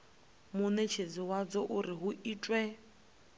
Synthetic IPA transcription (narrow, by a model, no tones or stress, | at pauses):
mʊnet͡ʃʰed͡ziwad͡zɔʔʊɾɪɦʊʔiːt͡ʃʼwɛ